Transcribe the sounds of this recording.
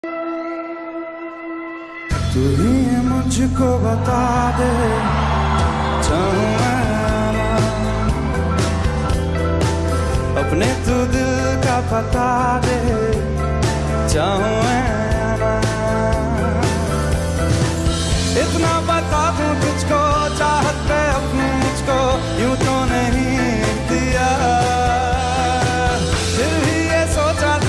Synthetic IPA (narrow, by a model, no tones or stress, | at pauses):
t̪ʊɦiːemʊ̃d͡ʒʱkobət̪aːd̪e | t͡ʃaːɦũːɛ̃ | ana | əpnet̪ʊd̪ | kapət̪aː | d̪e | t͡ʃaːɦũẽ | aːna | ɪt̪napɐt̪at̪ũt̪ʊd͡ʒʱko | t͡ʃaːɦət̪̚peɐbnumʊd͡ʒʱko | jũːt̪onəɦĩ | d̪ijaː | pʰɪɾbʱijesoːt͡ʃa